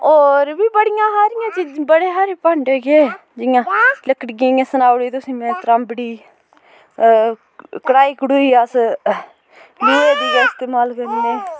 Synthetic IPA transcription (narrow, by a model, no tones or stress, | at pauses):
oːɾbiːbəɽɪjãːɦaːɾɪjãːt͡ʃibəɽeːɦaːɾeːpəɳɖeɡeː | d͡ʒɪjãːləkəɽɡãːjãːsənaːʋɽiːt̪ʊsĩːmɛ̃ːt̪ɾaːmbəɽiː | kəɽaːiːkʊɽuːiːaːs | luːeːdiːd͡ʒãːɪst̪eːmaːlkəɾiːnẽː